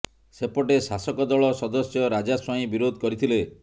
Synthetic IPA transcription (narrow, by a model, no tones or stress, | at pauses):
sepɔʈesasɔkɔd̪ɔɭɔsɔd̪ɔsjɔɾad͡ʒaswɔĩbiɾod̪ʱɔkɔɾit̪ʰile